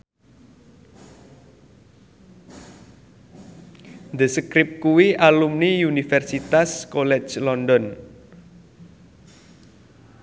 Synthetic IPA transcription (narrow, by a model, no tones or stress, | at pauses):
nd̪əsəkɾɪp̚kuwiʔalumniunifɛrsit̪askolɛ̥t͡ʃlɔndɔn